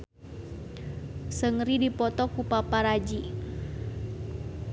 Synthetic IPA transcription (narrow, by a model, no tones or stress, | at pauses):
səŋɾidipɔt̪ɔkupapaɾad͡ʒi